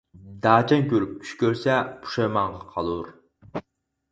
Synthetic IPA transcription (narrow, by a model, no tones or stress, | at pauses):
d̪ɑːt͡ʃʰɛŋkʲʰøɾyp̚kʲʰy̥t͡ʃkʲøɾsɛpʰu̥ʃɑjmɑɴʁɑqʰɑlˠuɾ